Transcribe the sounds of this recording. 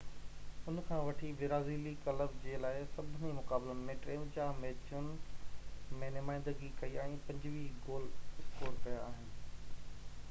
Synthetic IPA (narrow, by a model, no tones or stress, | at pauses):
ʊnkʰãːʋɐʈʰiʋɪɾaːziːlikɐləbd͡ʑeːlaːɪsɐbʱɪnimʊkaːbləmẽʈɾẽːd͡ʑameːt͡ɕʊnɪ | mẽːnʊmaːɪ̃nd̪əɡikɐiaːĩpɐ̃ɲd͡ʑʋiɡoːlɪst̪oːɾkɐjaaːɦɪnɪ̆